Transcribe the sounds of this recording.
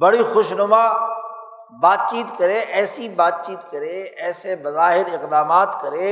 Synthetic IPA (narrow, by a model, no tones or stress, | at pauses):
bɐɽixʊʃnʊma | baːt̪̚t͡ʃiːt̪kɐɾẽʔɛːsibaːt̪̚t͡ʃiːt̪kɐɾẽɛːsebɐzaːɦɪɾɪqd̪aːmaːt̪kɐɾẽː